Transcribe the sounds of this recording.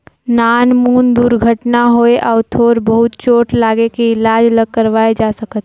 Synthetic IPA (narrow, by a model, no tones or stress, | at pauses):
naːnmuːnd̪uːɾɡʱəʈnaɦoːeʔɔːt̪ʰoːɾbɐɦʊt̪t͡ʃoːʈʰlaːɡekeɪlaːd͡ʒləɡ̚kːəɾʋaːed͡ʒaːsəkət̪̚